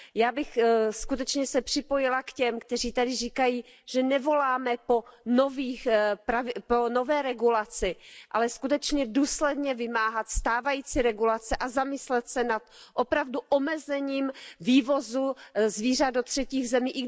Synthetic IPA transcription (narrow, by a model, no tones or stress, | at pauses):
jaːbɪxskut̪ɛt͡ʃɲɛsɛpr̝̥ɪpojɪlakcɛmkt̪ɛr̝iːt̪adɪriːkajiː | ʒ̥ɛnɛvo̞laːmɛpo̞noviːxpɾavɪpono̞vɛːɾɛɡulat͡sɪʔalɛskut̪ɛt͡ʃɲɛduːslɛdɲɛvɪmaːɦat̪st̪aːvajiːt͡siɾɛɡulat͡sɛʔazamɪslɛt̪sɛnat̪ʔopɾavduʔomɛzɛɲiːmviːvo̞zuzviːr̝adot̪r̥ɛciːɣzɛmiːʔɪ